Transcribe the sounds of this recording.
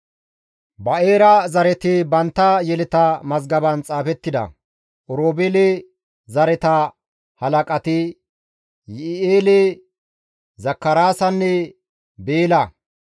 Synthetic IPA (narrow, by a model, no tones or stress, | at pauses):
bɐeːɾɐzɐɾɛt̪ɪbɐnt̪ːɐjɛlɛt̪ɐmɐzɡɐbɐnt͡sʼaːfɛt̪ːɪd̪ɐ̰ | ʔɔɾoːbɛle | zɐɾɛt̪ɐ | hɐlɐkʼɐt̪ɪ | jeːle | zɐkːɐɾaːsɐnːɛ | beːlɐ